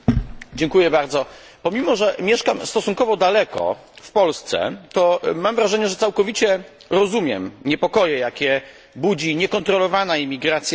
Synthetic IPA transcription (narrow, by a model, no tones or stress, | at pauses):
d͡ʑɛŋkujɛbaɾd̪zɔ | pɔmʲimɔʐɛmʲjɛʂkamst̪ɔsuŋkɔvɔd̪alɛkɔ̰ | fpɔlst̪sɛ̰t̪ɔmamvɾaʐɛɲɛʐɛt̪sawkɔvʲit͡ɕɛ | ɾɔzumʲjɛmɲɛpɔkɔjɛjakʲɛ | bud͡ʑiɲɛkɔnt̪ɾɔlɔvanaimʲiɡɾat̪sʲja